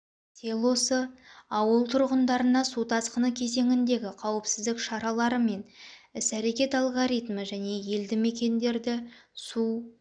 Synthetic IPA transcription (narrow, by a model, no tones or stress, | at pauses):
t̪ʲʰe̞lˠo̞səɑwəlˠt̪ʰʊɾʁənd̪ɑɾənɑsut̪ʰɑsqənəkʲʰe̞ze̞ŋʲɪnd̪e̞ɡʲɪqʰɑwəpsɪzd̪ɪkʃɑɾɑlˠɑɾəme̞nɪsæɾe̞kʲe̞t̪ɑlˠɡoɾijt̪məʒæne̞je̞ld̪ɪme̞kʲe̞nd̪e̞ɾd̪ɪ | su